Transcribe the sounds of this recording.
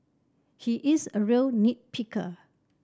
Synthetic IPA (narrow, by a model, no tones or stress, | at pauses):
hiʔisəɹilnit̚pʰikʰə̰